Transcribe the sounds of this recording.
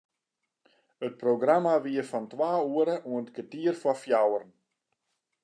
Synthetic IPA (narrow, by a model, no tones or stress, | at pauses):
ət̚proɡramaʋiəfɔntwaːuəɾəʔuəntkətiərfɔfjawərn̩